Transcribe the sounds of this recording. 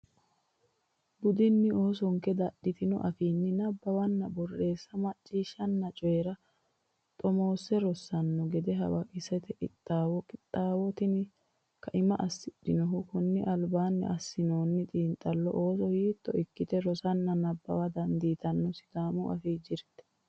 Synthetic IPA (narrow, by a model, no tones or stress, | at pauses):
bʊd̪ɪnːɪo̞ːsɔŋkɛd̪ɐɗɪt̪ɪnɔ̰ʔɐfiːnːɪnɐbːɐwɐnːɐbɔrːe̞ːsːɐmɐt͡ʃʼːiːʃɐnːɐt͡ʃʼɔjɛɾɐ | t̪ʼɔmo̞ːsɛɾɔsːɐnːɔɡɛd̪ɛɦɐ̰wɐʔɪsɛt̪ɛʔɪt̪ʼːaːwɔkʼɪt̪ʼːaːwɔt̪ɪn | kɐʔɪmɐʔɐsːɪɗɪnɔɦʊkʊnːɪʔɐlbaːnːɪ̰ʔɐsːɪnoːnːɪt̪ʼiːnt̪ʼːɐlːɔ̰ʔo̞ːsɔhiːt̪ːɔɪkːɪt̪ɛɾɔsɐnːɐnɐbːɐ̰wɐd̪ɐnd̪iːt̪ɐnːɔsɪ̥t̪aːmʊʔɐ̰fiːd͡ʒɪɾt̪ɛ̥